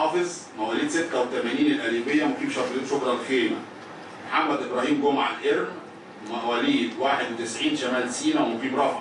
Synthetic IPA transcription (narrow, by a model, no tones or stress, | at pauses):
ɑːfez | mæʔwæːliːd̪set̪ːæwet̪æmæːniːnelʔæliːbejːæmofiːbʃæfleːt̪ʃokɾˤɑlxeːmæ̰ | moħamːæd̪ʔebɾˤɑːhiːmɡomʕalʔeɾm | mæʔwæːliːd̪waːħed̪wet̪ɪsʕiːnt̪æmæːlsiːnæwemofiːbɾˤɑfʕ